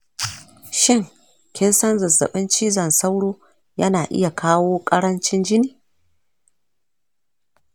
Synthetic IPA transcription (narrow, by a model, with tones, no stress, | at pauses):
ʃɪ˦˨ŋ | kʲɪ˦nsɐ˦nzɐ˨zɐ̰˨ɓɪ˦nt͡ʃiː˦zɐ˨nsa˦wɽoː˦ | jɐ˦naː˨ʔɪ̰˦ja˨kaː˦woː˦kʼɐ˦ɽɐ˦nt͡ʃɪ˦nd͡ʒɪ˦niː˨